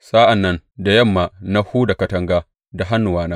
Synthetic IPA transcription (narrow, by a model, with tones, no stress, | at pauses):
saː˦ʔa˨nːɐ˦nda˨jɐ˦˨mːaː˨na˦huː˦da˨kɐ˦tɐ˦ŋɡaː˦ | da˨ɦa˦nːʊ˨waː˨˦naː˦